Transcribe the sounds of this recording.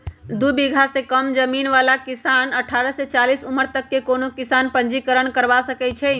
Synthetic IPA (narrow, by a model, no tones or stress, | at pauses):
d̪ubiɡʱasekəmd͡ʒəminʋalakisanəʈʰaːɾəset͡ʃalisuməɾt̪əkːekonokisanpə̃nd͡ʒikəɾəɳkəɾʋasəkɛt͡ʃʰɛ